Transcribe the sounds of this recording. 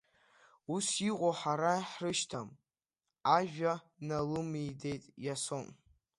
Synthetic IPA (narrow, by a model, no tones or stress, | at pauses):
usiqʷʼoħaɾaħrɨʃtʰam | aʒᶣa | nalɨmijde̞jtʼjason